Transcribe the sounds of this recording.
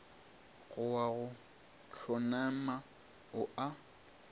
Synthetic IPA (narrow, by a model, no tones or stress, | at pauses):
ɣʊwaɣʊ | t͡ɬʰɔnama | ʊʔa